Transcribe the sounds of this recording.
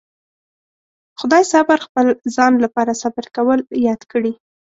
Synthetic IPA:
xʊd̪ɑjsabaɾxpəlzɑnlapɑɾasabaɾkawəljɑd̪kəɽi

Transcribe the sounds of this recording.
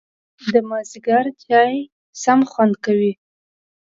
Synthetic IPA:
d̪əmɑziɡaɾt̪jɑj | samxwand̪kawi

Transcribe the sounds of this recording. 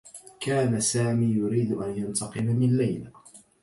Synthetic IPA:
kaːnasaːmiːjʊɾiːd̪ʔanjant̪ʰɑqɨlamɪnlajla

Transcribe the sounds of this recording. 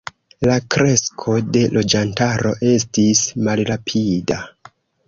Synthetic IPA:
lakɾe̞skʰo̞de̞lʔo̞d͡ʒantaɾo̞̰ʔe̞stismalɾapʰida

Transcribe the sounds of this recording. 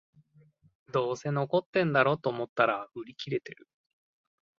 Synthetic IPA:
d̪o̞ːse̞no̞ko̞t̪ːẽ̞nd̪aɾo̞t̪oːmo̞t̪ːaɾaɯ̟ɾʲikʲiɾe̞t̪e̞ɾɯ̟

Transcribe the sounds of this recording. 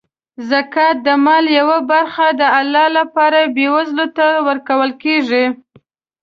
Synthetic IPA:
zakɑt̪̚d̪əmɑljawabaɾxad̪əalːɑlapɑɾabewazlot̪awəɾkawəlkeʐi

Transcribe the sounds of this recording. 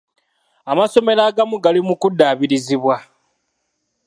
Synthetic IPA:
amaso̞me̞ɾaːɡamuɡalimukudːaːβiɾiziβwa

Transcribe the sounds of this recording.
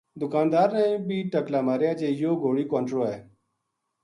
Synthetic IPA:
d̪ʊkaːnd̪aːɾnẽːbʱiːʈəklaːmaːɾjaːd͡ʒeːjoːɡoːɽiːkõːɳʈɾoːɛː

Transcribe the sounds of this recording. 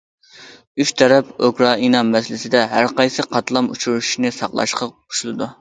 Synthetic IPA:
yt͡ʃt̪ʰɛɾɛpokʰɾɑinɑmɛslɪsɪd̪ɛɦæɾqɑjsɨqʰɑt̪lˠɑmut͡ʃʰuɾuʃʃnɨsɑqlˠɑ̰ʃqʰɑqʰu̥ʃulˠɨd̪u

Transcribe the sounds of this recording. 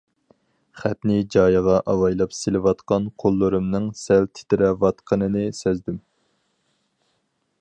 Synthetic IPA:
χæpnɪd͡ʒɑːjəʁɑʔɑwɑjlˠɑpselɪvɑt̪qɑnqʰolˠːɨɾɨmnɨŋsɛlt̪ʰɪ̥t̪ɪɾɛvɑt̪qʰənɨnɨsɛzd̪ym

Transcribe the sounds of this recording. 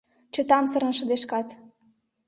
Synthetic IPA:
t͡ɕə̆t̪ɑmsɤ̆ɾə̆nʃə̆d̪eʃkɑt̪

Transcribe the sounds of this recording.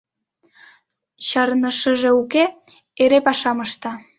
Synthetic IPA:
ɕɑɾnəʃəʒeuke | eɾepɑʃɑməʃt̪ɑ

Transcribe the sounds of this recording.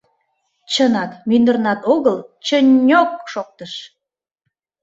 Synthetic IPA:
t͡ɕənɑkmynd̪ərnɑt̪oɣəlt͡ɕənʲok̚ʃok̚t̪əʃ

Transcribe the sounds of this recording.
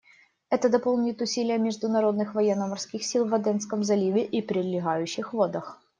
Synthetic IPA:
ɛt̪əd̪ɐpo̞lˠnʲɪt̪ʊsʲilʲɪjəmʲɪʐd̪ʊnɐɾo̞d̪nɨxvɐjɛnːəmɐrskʲixsʲilˠvɐd̪ɛnskəmzɐlʲivʲɪʔipɾʲɪd̪lʲɪɣajʉɕːɪxvod̪əx

